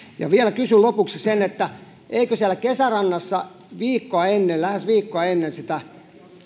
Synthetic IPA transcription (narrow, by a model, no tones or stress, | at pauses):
jɑ̰ʋiælækysylopuksisenet̪ːæ | ʔeikøsiælːˑækesærɑnːɑsːɑ | ʋiːkːoɑenːellæhæsʋiːkːoɑenːensit̪æ